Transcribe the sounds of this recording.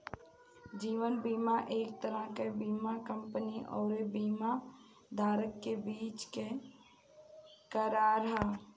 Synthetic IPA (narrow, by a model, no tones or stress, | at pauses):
d͡ʒiːʋənbiːmaʔeːk̚t̪əɾəɦkebiːmakə̃mpəniʔɔːɾebiːma | d̪ʱaːɾəkːebiːt͡ʃke | kəɾaɾɦaː